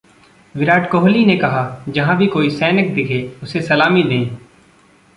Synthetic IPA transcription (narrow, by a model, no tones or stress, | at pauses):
ʋɪɾaːʈkoːɦlinekɐɦad͡ʒɐɦãbʱikoːisɛːnək̚d̪ɪkʰeʊsesɐlaːmid̪eĩː